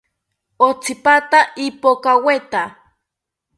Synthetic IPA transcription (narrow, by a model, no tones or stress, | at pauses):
ot͡sipat̪aʔipokawet̪a